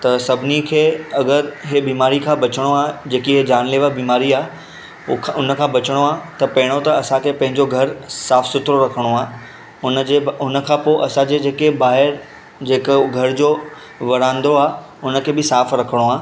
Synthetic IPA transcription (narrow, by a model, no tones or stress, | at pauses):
t̪ɐsɐbʱɪnikʰeːɐɡəɾɦebiːmaːɾikʰãːbɐt͡ɕəɽ̃oaːd͡ʑeːkiɦed͡ʑaːɽ̃leːʋabiːmaːɾiaː | ʊnə̆kʰãːbɐt͡ɕəɽ̃oaːt̪ɐpɐɦɪɽ̃ot̪ɐɐsãkʰeːpɐ̃ɦɪ̃ɲd͡ʑoɡʱɐɾsaːfsʊt̪ɾoɾɐkʰəɽ̃oaː | ʊnəd͡ʑeʊnəkʰãːpoɪʔɐsãd͡ʑeːd͡ʑeːkebaːɦɪɾ | d͡ʑeːkɡʱɐɾd͡ʑoː | ʋɐɾãːnd̪oaː | ʊnə̆kʰeːbɪsaːfɾɐkʰəɽ̃oaː